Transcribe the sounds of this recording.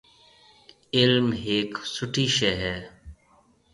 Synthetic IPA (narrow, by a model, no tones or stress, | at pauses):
ɪlmɦeːksʊʈʰiːʃɛɦɛː